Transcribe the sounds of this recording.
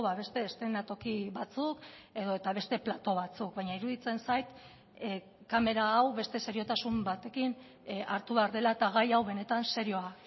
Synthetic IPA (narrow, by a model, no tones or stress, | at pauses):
βaβe̞st̪e̞ːst̪ɾenat̪o̞kiβat͡suke̞ðo̞et̪aβ̞e̞st̪e̞plat̪o̞β̞at͡suk̚baɲaiɾuðit͡se̞nsajt̪ | kame̞ɾaːwβe̞st̪e̞saɾio̞t̪asumbat̪e̞kin | aɾt̪uβeaɾðe̞laet̪aɣ̞ajawβe̞ne̞t̪anseɾio̞a